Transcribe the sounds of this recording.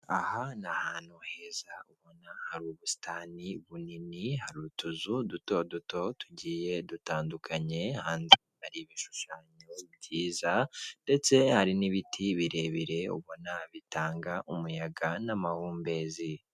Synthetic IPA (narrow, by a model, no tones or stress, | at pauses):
ahanahaːn̥huhe̞ːzauβo̞nahaɾuβusi̥taːniβuninihaɾuːɾutuzuduto̞duto̞tuɟiːje̞dutaːndukʰaɲe̞haːnzihaɾiβiʃu̥ʃaːɲoiβɟiːzande̞t͡se̞haɾiniβitʰiβiɾe̞βiɾe̞ṵβo̞naβitaːŋɡaʔumujaɡanamahuːmbe̞zi